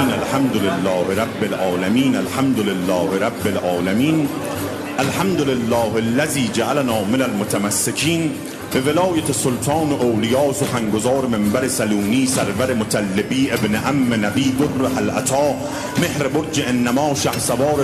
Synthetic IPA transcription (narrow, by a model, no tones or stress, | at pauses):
nalħamd̪olelːɒːheɾabːelʔɒːlæmiːnalħamd̪olelːɒːheɾabːelʔɒːlæmiːn | ʔalħamd̪olelːɒːhelːæziːd͡ʒaʔalænɒːmenælmot̪ʰamæsːekʰiːn | be̞velɒːjat̪ʰesolt̪ʰɑːnoʔowlɪjɒːsoxaŋɡozɒːɾemembæɾesaluːniːsæɾvæɾemot̪ʰalːebiːʔebneʔamːenæbiːd̪orːehalʔat̪ʰɒː | mehɾeboɾd͡ʒeʔenːæmɒːʃahsabɒːɾ